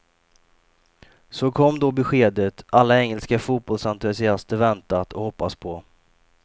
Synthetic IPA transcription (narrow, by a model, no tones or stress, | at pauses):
sɔkʰɔmːd̪ɔbɛɧeːd̪ət̪ʔalːaɛŋːəlskafuːt̪̚bɔlsant̪ɵsɪast̪əɾvɛnt̪at̪ʰɔhɔpːaspʰɔ